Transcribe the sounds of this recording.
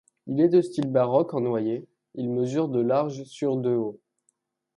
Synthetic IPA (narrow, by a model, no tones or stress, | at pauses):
ilɛd̪əst̪ilbaʁɔkɑ̃nwaje | ilməzyʁd̪əlaʁʒsyʁd̪øo